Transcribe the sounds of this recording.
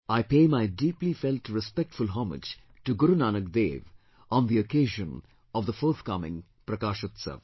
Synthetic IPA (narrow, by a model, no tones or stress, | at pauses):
aɪpeːmaɪdiːplifɛltɾɪspɛk̚ʈfʊlɦɔmɪ̰d͡ʒ | ʈuɡʊɾunaːnəɡd̪ḛːʋ | ʔɔ̃nd̪iokeːʒə̃n | ɔʋd̪əfɔːɾt̪kʌmɪ̰̃ŋ | pɾɐkaːʃət̪sə̰ʋ